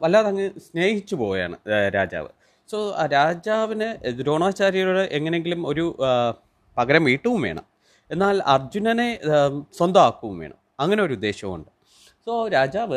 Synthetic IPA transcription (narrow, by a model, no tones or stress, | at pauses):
ʋɐlːaːðɐŋːesne̞ːhit͡ɕːupo̞ːja̰ːɳɨ̰ɾa̰ːd͡ʑa̰ːʋɨ̰ | so̞ːɾaːd͡ʑaːʋinɨɾo̞ːɳaːt͡ɕːaːɾiɣɐɾoɽɨʔeŋːɐne̞ŋɡilumo̞ɾu | pɐɣɐɾɐmʋiːʈːuʋumʋe̞̰ːɳɐ̰m | e̞nːaːlɐrd͡ʑunɐneswɐnd̪ɐaːkːuʋumʋḛːɳɐ̰mɐŋːɐneo̞ɾud̪ːe̞ːɕjɐmṵɳɖɨ | soɾaːd͡ʑaːʋɨ